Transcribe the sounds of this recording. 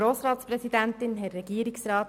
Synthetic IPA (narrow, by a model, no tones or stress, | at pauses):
ɾoːsɾɑːt̪spɾɛsid̪ænt̪ɪnɦɛɾːɛɡ̥iəɾiksɾɑːt